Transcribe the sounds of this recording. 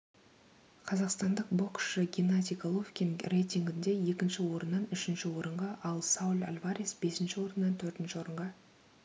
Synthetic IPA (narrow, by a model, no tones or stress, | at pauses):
qʰɑzɑqst̪ɑnd̪əq̚bo̞kʃəɡʲinat̪ʲikolˠofkʲinrejt̪ʲiŋɡʲɪnd̪e̞je̞kʲɪnʃɪwo̞ɾənːɑnʏʃɪnʃɪwo̞ɾəɴʁɑʔɑlˠsaulʲa̰lʲvaɾʲisbe̞sɪnʃɪwo̞ɾənːɑnt̪ʰɵɾt̪ɪnʃɪwo̞ɾəɴʁɑ